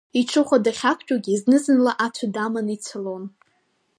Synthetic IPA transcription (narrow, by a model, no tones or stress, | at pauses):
iʈ͡ʂʰɨχʷadaχʲakʷʰt͡ʃʼaɡʲiznɨzɨnlaʔatʷʰadamanit͡sʷʰalon